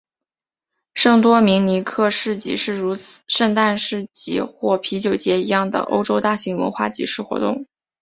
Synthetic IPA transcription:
ʂɤ˥˩ŋt̪wɔ˥mi˧˥ŋni˧˥kʰɤ˥˧ʂɻ̩˥˩t͡ɕḭ˨˩ʂɻ̩˥˩ɻu˧˥t͡s̩ʰ˨˩ʂɤ˥˧ŋt̪a˥˧nʂɻ̩˥˩t͡ɕḭ˧˥xwɔ˥˩pʰi˧˥t͡ɕjo˨˩ʊt͡ɕjɛ˧˥i˧˥jɑ˥˩ŋd̪ə̰˩ʔo̰˥ʊʈ͡ʂo˥ʊt̪a˥˩ɕi˧˥ŋwə̰˧˥nxwa̰˥˩t͡ɕḭ˨˩ʂɻ̩˥˩xwɔ̰˧˥t̪ʊ̰˥˩ŋ

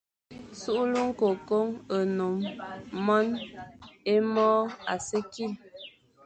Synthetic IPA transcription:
su˦ʔlu˦ŋ̩˦ko˨ko˦ŋə˨no˨mː | ɔ˦n | e˦mɔ˦a̰˨se˦ki˦˨l

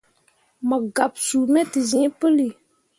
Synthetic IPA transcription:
ma˨ɡa˨bsu˨mɛ˦ti˨zĩ˨˦pɨ˦li˨

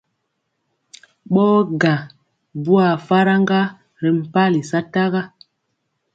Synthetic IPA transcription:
ɓɔː˦ɡa˨ | bu˦a˨fa˦ɾa˦ŋɡa˦ | ɾɛ˨m̩˨pa˦li˨sa˦ta˦ɣa˦

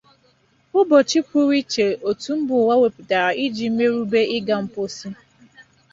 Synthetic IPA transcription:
ʊ˦bɔ˨t͡ʃi˦pu˦ɾi˦t͡ʃe˨o˨tu˨m̩˦bʊ˨wa˦we˨pi˨ta˨ɾa˨i˦d͡ʒi˨m̩˦me˦ɾu˦be˦ɪ˦ɡa˨m̩˦po˦si˦

